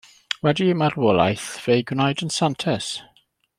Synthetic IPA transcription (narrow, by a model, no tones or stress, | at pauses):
wɛdiəmaɾwɔlˠa̰jθv̥ejɡnajdənsantʰɛs